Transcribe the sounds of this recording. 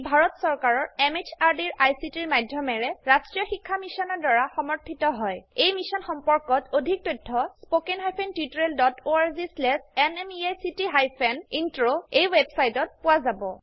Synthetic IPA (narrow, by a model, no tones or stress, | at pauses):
bʱaɹɔtsɔɹkaɹɔɹemet͡ʃʰaɹdiɹajsitiɹmajdʱjɔmɛɹɛɹastɹijɔxikʰːamisɔnɔɹdaɹaxɔmɔɹtʰitɔɦɔjejmisɔnxɔmpɔɹkɔtodʱik̚totʰːɔspokenɦajpʰentitɹeldɔtoaɹzislɛsɛnɛmiajsitiɦajpʰɛnintɹoejwebsajtɔt̚pʊwazabɔ